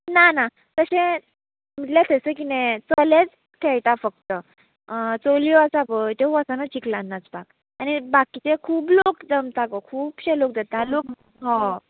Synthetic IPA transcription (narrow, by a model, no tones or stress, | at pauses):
nana | t̪əɕẽ | m̤iʈljat̪ʰəsək̬inet͡səled͡z | k̪ʰɛɭt̪afəkt̪ə | t͡soliɔasapəjt̪eɦũasanat͡ɕiklanːat͡sbak | añibakit͡ɕekʰuːblokd͡zəmt̪akɔkʰuːbɕelok̚d͡zat̪alok | ɦɔ̃